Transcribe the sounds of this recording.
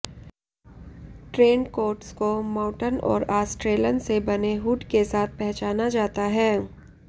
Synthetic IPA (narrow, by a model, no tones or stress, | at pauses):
ʈɾeːnkoːɾʈskomãːʊʈənɔ̰ːɾaːsʈɾeːlənsebɐneɦuːʈkesaːt̪̚ʰpɛɦt͡ʃaːnad͡ʒaːt̪aɦɛː